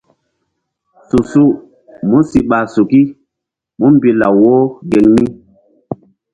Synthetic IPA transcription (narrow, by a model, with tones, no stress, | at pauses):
su˨su˦ | mũ˦si˨ɓa˨su˨ki˦ | mu˦m˦bi˨la̰˨wo˦ɡe˨ŋmi˦